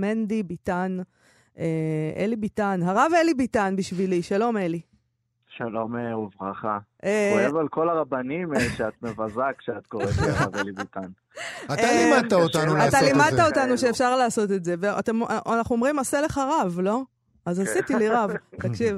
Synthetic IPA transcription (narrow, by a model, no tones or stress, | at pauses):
mend̪ibitan | eʔelibit̪anɦaʁavelibitanbiʃviliʃalo̞meli | ʃalo̞meuvʁaχaeoevalko̞laʁabanimʃeat̪mevazakʃeat̪̚koʁetʁavelibitan | at̪alimad̪̚t̪aot̪anulatalimad̪̚t̪aot̪anuʃeːfʃaʁlaːso̞t̪e̞tze̞vea̰t̪e̞maʔanaχnuomʁimaseleχaʁavlo̞ | azasitiliʁavt̪akʃiv